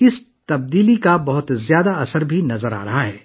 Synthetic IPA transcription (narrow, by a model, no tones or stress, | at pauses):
ɪs | t̪ɐb̚d̪iːlikabɐɦʊt̪zjaːd̪aɐsəɾbʱinɐzəɾa̰ːɾɐɦaɦɛː